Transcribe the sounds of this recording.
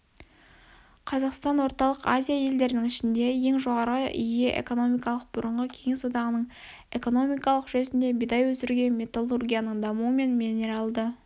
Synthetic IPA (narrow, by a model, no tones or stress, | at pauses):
qʰɑzɑqst̪ɑnwo̞ɾt̪ɑlˠəqazʲijaje̞ld̪e̞ɾɪnɪŋɪʃɪnd̪e̞je̞ŋʒo̞ʁɑɾəʏ̰jeʔḛko̞no̞mijkɑlˠəq̚bʊɾəɴʁəkʲʰe̞ŋe̞swod̪ɑʁənəɴ | e̞ko̞no̞mijkɑlˠəqʒesɪnd̪e̞bijd̪ɑjwɵsɪɾɡʲe̞nmʲe̞t̪alˠurɡʲijanəɴd̪ɑmuəme̞nmineɾɑlˠd̪ə